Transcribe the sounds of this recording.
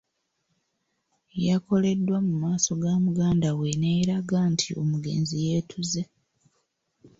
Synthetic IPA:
jako̞le̞dːwamumaːso̞ɡaːmuɡaːndawe̞neɾaɡantʰio̞muɡe̞̰ːnzijeːtʰuze̞

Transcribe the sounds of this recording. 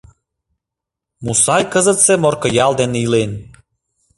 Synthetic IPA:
musɑjkə̆zət̪semorkɤ̆jɑlˠd̪eneilen

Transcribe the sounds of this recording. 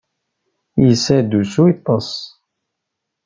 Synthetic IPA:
jəsːæd̪usuit̪ˤːɑsˤ

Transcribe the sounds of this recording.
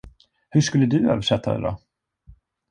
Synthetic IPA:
hɵʂkɵlːəd̪ɵø̰ːvəʂɛt̪ʰːad̪ɛ̰d̪ɔ̰

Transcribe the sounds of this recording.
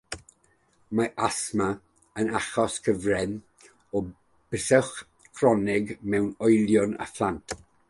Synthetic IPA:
maʔasma | ənaχɔskʰəvrɛn | ɔ | b̥əsɛχ | kʰrɔnɪɡmɛwnɔjlˠjʊna̰flantʰ

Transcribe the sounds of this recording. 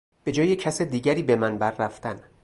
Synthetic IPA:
b̥e̞d͡ʒɒːjecʰæsed̪iːɟæɾiːbe̞mænbæɾːæft̪æn

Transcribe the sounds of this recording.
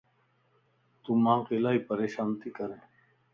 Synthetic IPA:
t̪uːmãːkelaːiːpəɾeːʃaːnt̪iːkəɾẽː

